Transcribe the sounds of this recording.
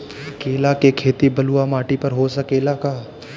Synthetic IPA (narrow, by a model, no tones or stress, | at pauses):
keːlakekʰeːt̪ibɐluamaːʈipɐɾɦosɐkeːlakaː